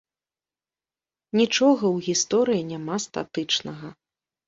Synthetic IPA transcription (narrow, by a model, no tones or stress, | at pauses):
nʲit͡ʂɔɣɐwɣʲist̪ɔɾɨjinʲamast̪a̰t̪ɨt͡ʂnɐɣɐ